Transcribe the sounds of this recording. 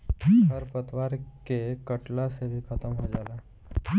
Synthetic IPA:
ɦəɾpət̪ʋaːɾkekəʈlasebʱikʰət̪əmɦod͡ʒaːlaː

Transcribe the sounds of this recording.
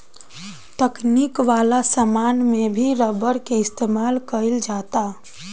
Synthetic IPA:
t̪əkniːkʋaːlasəmaːnmẽbʱiɾəbəɾkeɪst̪eːmaːlkəɪld͡ʒaːt̪a

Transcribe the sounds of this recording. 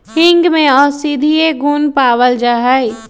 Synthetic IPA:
hɪ̃ŋɡmẽɔːɾsid̪ʱieɡuːnpaːwəld͡ʒaːɦai

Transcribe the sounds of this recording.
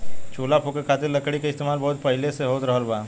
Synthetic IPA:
t͡ʃoːlapʰoːkekʰaːt̪ɪɾlɐkɽikaɪst̪eːmaːlbɔːʊt̪̚pɐɦɪleseɦoːt̪ɾɐɦəɾbaː

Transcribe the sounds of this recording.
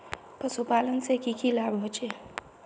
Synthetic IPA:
pəsupaːlənsekikilaːbɦot͡ʃe

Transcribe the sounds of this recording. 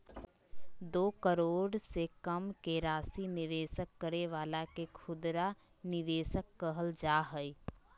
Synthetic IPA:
d̪oːkəɾoːɽsekəmkeɾaːsinɪʋeːsəkːəɾeʋaːlakekʰʊd̪ɾa | nɪʋeːsəkːəɦəld͡ʒaːɦəi

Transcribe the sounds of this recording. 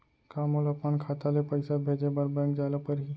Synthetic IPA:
kamolɐpmaːnkʰat̪alepəjsabʱed͡ʒebəɾbɛ̃kd͡ʒaləpəɾɦi

